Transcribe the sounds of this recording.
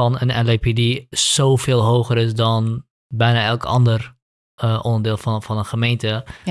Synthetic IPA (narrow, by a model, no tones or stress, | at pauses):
ɑnənɛlepidisofɪːlˠɦowχəɾɪsdɔn | bɛjnaːɛlˠkɑ̰ndər | əʔɔndəɹdɪːlˠffɑnənχəmejntə